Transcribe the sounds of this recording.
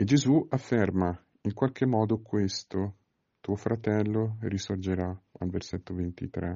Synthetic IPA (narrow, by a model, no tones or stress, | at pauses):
ed͡ʒezuafːerma | iŋkwalk̟ʰemːɔːd̪okʰwest̪o | t̪uːofɾat̪ɛlːorisord͡ʒeɾaa̰lverset̪ːovent̪ḭt̪ɾɛ